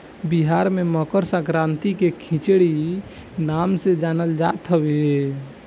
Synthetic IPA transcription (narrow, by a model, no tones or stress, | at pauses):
biɦaɾmeməkəɾsãkɾãnt̪ikekʰĩt͡ʃɽi | namsed͡ʒanəld͡ʒat̪ɦəbeɦe